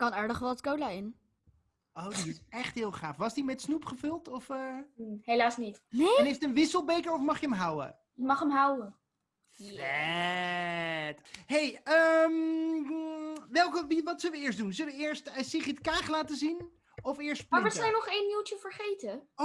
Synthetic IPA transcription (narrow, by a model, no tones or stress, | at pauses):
kɑnaːɹdəχʋɛlˠəskowlaːɪn | owdiɪsɛχtɦɪːlˠχaːfʋɑsdimɛtsnupχəfɵlˠtɔfəɦejlaːsnitneɛnɦejftənʋɪsəlˠbejkəɹɔfmɑχjəəmɦawə̰ | jəmɑχəmɦawə | fɛ | tɦejəm | ʋɛlˠkəʋiʋɑtsʏləʋəɪːɹsdunzɵləʋəɪːɹstəsiχɪtkaːχlaːtəzin | ɔfɪːɹstpaːɹəsɛjnɔχejnmiltəfəɹχejtə